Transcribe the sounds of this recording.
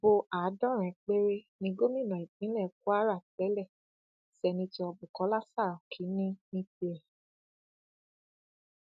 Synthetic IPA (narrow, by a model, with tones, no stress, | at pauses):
bo˧ʔa˨˦dɔ̃˦ɾ̃ɛ̃˨k͡pe˦ɾe˦ | nĩ˧ɡo˦mĩ˦˨nã˨i˨k͡pĩ˨˦lɛ˦˨˦k̚u˦a˦ɾa˦˨tɛ˨˦lɛ˦˨ | sɛ˧nĩ˧ti˧ɔ˧bu˨kɔ˨˦la˦sa˦˨ɾɔ˨kʰi˨˦nĩ˦mĩ˦ti˧ɛ˨